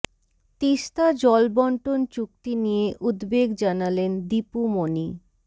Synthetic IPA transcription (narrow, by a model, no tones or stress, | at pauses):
t̪iʃt̪ad͡ʑɔlbɔɳʈont͡ɕuk̚t̪inijeʔud̪beɡd͡ʑanalend̪ipumoni